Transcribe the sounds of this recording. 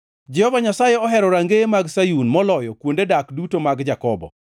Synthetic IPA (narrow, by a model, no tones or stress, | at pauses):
d͡ʒɛhɔvaɲasajeɔɦɛɾɔɾaŋɡemaɡsajunmɔlɔjɔkwondedakdutomaɡd͡ʒakɔbɔ̰